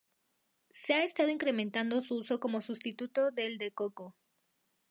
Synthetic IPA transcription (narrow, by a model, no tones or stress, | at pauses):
seaest̪að̞o̞iŋkɾe̞ment̪and̪o̞suuso̞ko̞mo̞sust̪it̪ut̪o̞ðe̞ld̪e̞koko